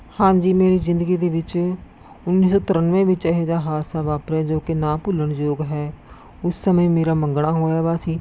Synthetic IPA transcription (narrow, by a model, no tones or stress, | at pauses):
hãːɲd͡ʒiːmeːɾiːzɪnd̪əɡiːd̪eːʋɪt͡ʃ | ʊnːiːs̬ɔːt̪ʊɾənʋẽːʋɪt͡ʃəɦeːd͡ʒ̪aːɦaːsaːʋaːpɾɛːd͡ʒoːkɪnãːpʊləɳd͡ʒoːɡɦɛː | ʊsːəmə̃ːmeːɾaːməŋɡɽaːɦoːjaːbaːsiː